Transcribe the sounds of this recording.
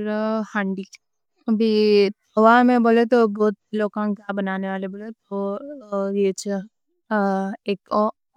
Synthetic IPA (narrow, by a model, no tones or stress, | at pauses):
ɾhãːɳɖi | bʱit̪ʰɔʋamẽboːlet̪oboːt̪̚iloːkãŋkabənaːneʋaːleboːlet̪o | et͡ʃʰ | eko